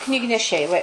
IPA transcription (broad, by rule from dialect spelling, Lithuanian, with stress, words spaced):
knʲiːɡnʲɛˈʃʲɛɪ ʋɐ ɪ